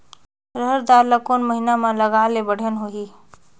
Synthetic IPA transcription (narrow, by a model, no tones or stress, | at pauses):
ɾəɦəɾd̪aɾlakonməɦinamãləɡalebəɽ̤ənɦoɦiː